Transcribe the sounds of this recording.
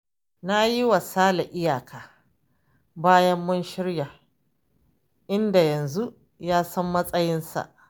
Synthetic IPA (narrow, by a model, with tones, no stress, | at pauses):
na˦ji˦wa˨saː˦la˨ʔɪ˦jaː˨kʰaː˨ | baː˦jɐ˦mːʊ˦nʃɪ˦ɽja˨ | ʔɪ˦nda˨jɐ˨nzu˦ | jaː˦sɐ˦mːɐ˦sʼɐ˦jɪ˦nsa̰˨ʔ